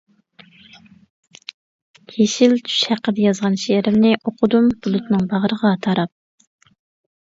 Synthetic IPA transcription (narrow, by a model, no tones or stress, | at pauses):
kʲʰeʃilt͡ʃ̪ʰy̥ʃhæqːəd̪ɛjɑzʁɑnʃeɾɪmnɪʔoqʰʊd̪umb̥ulˠut̪nɨŋbɑʁəɾəʁɑt̪ʰɑɾɑp̚